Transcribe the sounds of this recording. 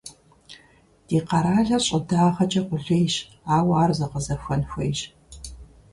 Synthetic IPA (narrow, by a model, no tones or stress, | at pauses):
d̥iːqɑɾaːɮɐɕʼɪdaːʁɐt͡ʃʼɐqʷʊɮeːjɕ | aːwaːrzɐqəzɐfʷɐnxʷejʒ